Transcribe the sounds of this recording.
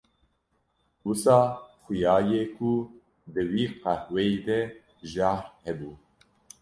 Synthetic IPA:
wusɑːxujɑːjekʰu | d̪ɨwiːqæhwɛjd̪ɛ | ʒaɾhɛbuː

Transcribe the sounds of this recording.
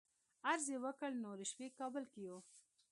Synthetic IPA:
aɾzewəkəlnoɾɪʃwekɑbəlkijo

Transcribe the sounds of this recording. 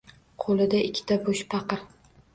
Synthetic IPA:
qʰolˠɪd̪aʔɪkʲʰːɪ̥t̪ʰaboʃpʰɑqɨɾ

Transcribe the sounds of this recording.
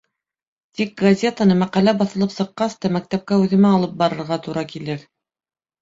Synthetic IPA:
t̪ik̚ɡɐzʲe̞t̪ənɤmæqælæbɑθɤ̆lˠɤpsɤ̆qːɑst̪ɑmæk̚t̪æp̚kæʉðɘ̆mæɑlˠɤp̚bɑɾɤ̆ɾʁɑt̪uɾɑkilɘɾ

